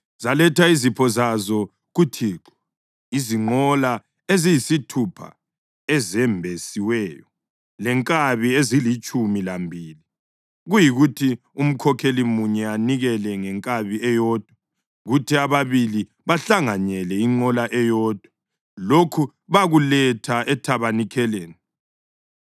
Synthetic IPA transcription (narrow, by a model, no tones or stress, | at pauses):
z̥alɛtʰaizipʰɔzazɔ | ɣutʰiːǁɔ̥ | iziŋ͡ǃɔla | ezijisitʰupʰa̰ | ɛzɛmbʱesiwɛːjɔ | lɛŋkʼaβiezilit͡ʃʼumilambʱiːli | ɣujiɣutʰi | um̩kʰɔkʰelimuɲɛaniɣɛlɛŋɛŋkʼaβiɛjɔːd̥̚ʱwa | ɣutʰiaβaβili | βaɬaŋaɲɛlɛiŋ͡ǃɔlaʔɛjɔːd̥ʱwa | lokʰu | βaɣulɛtʰaʔɛtʰaβanikʰɛleːni